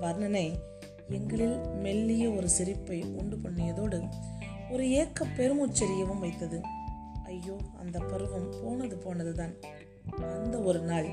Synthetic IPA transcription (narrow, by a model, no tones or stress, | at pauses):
ʋɐɾnɐnɐɪ | ɛŋɡɐɭɪlmɛlːɪjɐɔɾɯsɪɾɪpːɐɪʊɳɖɯkɔɳːɪjɐðoːɽɯ | ɔɾɯeːkːɐpːɛɾɯmuːt͡ʃːɐɾɪjɐʋɯmʋɐɪt̪ːɐðɯ | ɐjːoːɐ̰nd̪ɐpːɐɾɯʋɐmpoːnɐðɯpoːnɐðɯt̪aːn | ɐnd̪ɐɔɾɯnaːɭ